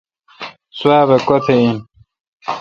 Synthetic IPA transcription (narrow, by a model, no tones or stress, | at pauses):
swaːβekot̪ʰein